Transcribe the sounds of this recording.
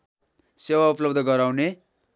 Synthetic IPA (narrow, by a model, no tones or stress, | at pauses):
sewauplʌbd̪ʱʌɡʌɾawne